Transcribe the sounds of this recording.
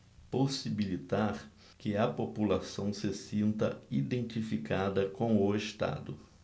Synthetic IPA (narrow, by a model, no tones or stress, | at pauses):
posibilit̪aɾ | kɪɐpopulasɐ̃w̃sɪsĩnt̪ɐ̰id̪ẽnt̪ifikad̪ɐkõʊeʃt̪a̰d̪ʊ